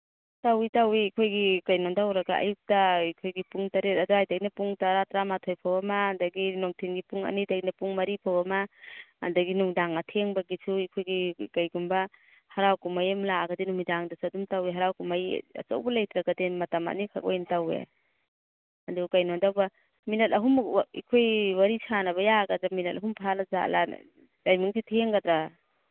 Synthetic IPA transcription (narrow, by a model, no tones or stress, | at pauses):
tawitawikʰojɡikajnɔndawɾɐɡaʔɐ̰juk̚tɐikʰojɡipuŋtɐɾet̚ɐduhajdaknɐpuŋtaɾatɾamatʰojpʰawɐmɐːndɐɡinoŋtʰinɡipuŋɐ̰nidajnɐpuŋmɐɾipʰawɐmɐːndɐɡinuŋdaŋɐtʰeŋbɐɡisuikʰojɡikajɡumbɐ | haɾawkumajemlaɡɐdinumidaŋdasadumtaweɦaɾawkumaja̰t͡ʃa̰wbɐlajt̪ɾaɡadenmɐtɐma̰ʔnikʰa̰k̚o̰jntawḛ | ɐdukajnɔndawba | minɐtɐɦumḭkʰojwaɾisʰanɐβɐjaɡadɾaminɐt̚ɐɦumpʰalaza̰la̰ | dajmiŋsitʰeŋɡadɾa